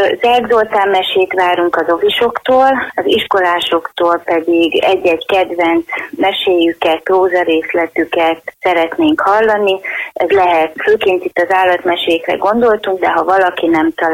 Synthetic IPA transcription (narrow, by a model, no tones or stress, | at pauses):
zɛrɡzoːlt̪aːmːɛʃeːt̪ʋaːɾuŋkɒzo̞viʃo̞kt̪oːlɒziʃko̞laːʃo̞kt̪oːlpɛd̪iɡɛɟːɛɟkɛd̪vɛnt̪smɛʃeːjykɛt̪̚proːzɒɾeːslɛt̪ykɛt̪sɛɾɛt̪neːŋkhɒlːɒniɛzlɛɦɛt̪føːkeːnt̪it̪ːɒzaːlːɒt̪mɛʃeːkrɛ̰ɡo̞nd̪o̞lt̪uŋɡd̪ɛɦɒvɒlɒkinɛmt̪ɒl